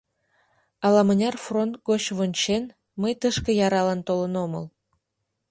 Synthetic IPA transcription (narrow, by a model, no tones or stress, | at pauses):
ɑlɑmənʲɑrfront̪̚ɡot͡ɕβonʲt͡ɕen | məjt̪əʃkə̆jɑɾɑlɑnt̪olə̆nomə̰l